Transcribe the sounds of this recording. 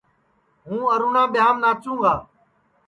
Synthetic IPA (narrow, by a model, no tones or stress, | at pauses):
ɦũːəɾuːɳãːɓɪjaːmnaːt͡ʃũːɡaː